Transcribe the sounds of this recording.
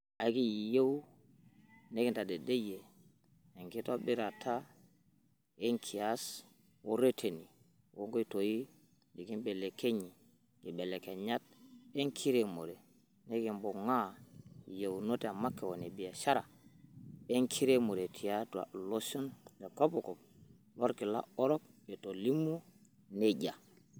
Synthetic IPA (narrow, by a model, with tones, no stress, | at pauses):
a˨˦ki˦˨je˦w | ne˦ki˦nta˨de˨de˦jeː˨ | ŋki˦to˦bi˦ɾa˨tʰa˦ | e˦ŋkʰi˨a˦s | wo˦ɾe˦tʰe˨ni˨ | wo˦ŋɡo˦i˦to˨ji˦ | di˨ki˦nbe˨lːe˨ke˦ɲi˨ | ɡi˨be˨lːe˨ke˨ɲa˦t̚e˦ŋkʰi˦ɾe˨mo˨ɾɛ˨ | ne˦ki˨mbo˨ŋa˦je˨wno˦tɛ˨a˨ma˦kːɛwo˨ne˨bi˨ja˨ʃa˦ɾa̰˨ | e˦ŋkʰi˦ɾe˦mo˨ɾe˨tʰi˨jatua̰˨lo˦sɔ˦nde˨ko˦pɔ˨kɔ˨p̚ | lo˦ɾki˨la̰˦ɔ˦ɾɔ˦k̚ɛ˨to˨li˦mːu˦ | ne˦ɟa˨